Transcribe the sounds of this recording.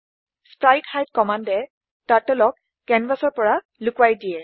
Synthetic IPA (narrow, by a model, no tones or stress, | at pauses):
spɹajkhajd̚kɔmandɛ | tatɔlɔk̚ | kɛnbasɔɹpɔɹa | lʊkwajdijɛ